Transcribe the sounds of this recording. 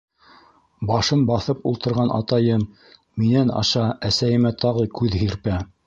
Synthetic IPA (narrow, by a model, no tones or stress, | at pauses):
bɑʃɤnbɑθɤpulˠt̪ɤ̆ɾʁɑnʔɑ̰t̪ɑjɤmː | inænɑ̰ʃɑæsæjɘ̆mæt̪ɑʁɤkʉðɦiɾpæ